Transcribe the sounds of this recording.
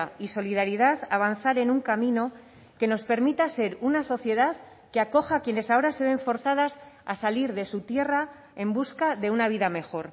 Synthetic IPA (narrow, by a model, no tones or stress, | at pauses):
iso̞liðaɾiðaðaβ̞anθaɾe̞nuŋkamĩno̞ | ke̞no̞spe̞ɾmit̪ase̞ɾunaso̞θje̞ðað | keako̞xakje̞ne̞sao̞ɾase̞βe̞ɱfo̞ɾθaðasasaliɾðe̞sut̪je̞ra | e̞mbuskaðe̞unaβ̞iðame̞xo̞ɾ